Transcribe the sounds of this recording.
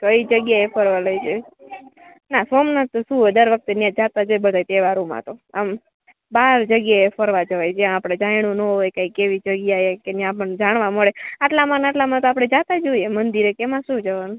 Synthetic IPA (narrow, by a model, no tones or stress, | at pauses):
kəid͡ʒəɡjaefəɾʋaləjd͡ʒo | nasomnat̪ːoʃũɦod̪əɾʋək̚t̪enjãd͡ʒat̪ad͡ʒoebəd̪ʱajt̪eʋaɾũmã̰t̪oam | baɾd͡ʒəɡjaefəɾʋad͡ʒəʋajd͡ʒãːpɽ̃ed͡ʒãiñũnəɦojkaikeʋid͡ʒəɡjaekenjãpəɳd͡ʒaɳ̃ʋaməɭeaʈlamanaʈlamãt̪oapɽɳ̃ed͡ʒat̪ad͡ʒoiemənd̪iɾekemãʃũd͡ʒəʋanu